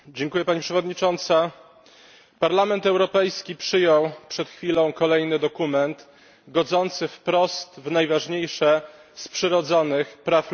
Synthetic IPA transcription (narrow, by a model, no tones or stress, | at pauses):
d͡ʑeŋkujɛpaɲipʂɛvɔd̪ɲit͡ʂɔnt̪sa | paɾlamɛnt̪ɛwɾɔpɛjskʲipʂɘjɔwpʂɛt̪xfʲilɔ̃w̃kɔlɛjnɘd̪ɔkumɛnt̪ | ɡɔd̪zɔnt̪sɘfpɾɔst̪vnajvaʐɲejʂɛ | spʂɘɾɔd̪zɔnɘxpɾaf